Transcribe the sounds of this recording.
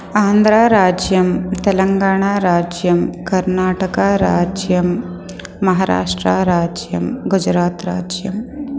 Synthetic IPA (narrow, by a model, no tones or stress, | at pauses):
aːnd̪ʱɾaːɾaːd͡ʒjɐmt̪ɐlɐŋɡaːɽ̃aːɾaːd͡ʒjɐmkɐɾnaːʈəkaɾa̰ːd͡ʒjɐmː | ɐɦaːɾa̰ːʂʈɾaɾaːd͡ʒjɐ̰mɡud͡ʒɾaːt̪ɾa̰ːd͡ʒjɐm